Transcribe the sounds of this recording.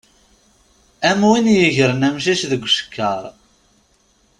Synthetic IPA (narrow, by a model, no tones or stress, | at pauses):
æmwinjəʝəɾənæmʃ̬iʃðəɡʷːʃə̥kːəɾˤ